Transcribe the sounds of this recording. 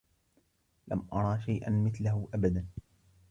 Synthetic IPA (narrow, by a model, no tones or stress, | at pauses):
lʔa̰mʔɑɾˤɑːʃajʔa̰nmɪθlahʊʔabad̪an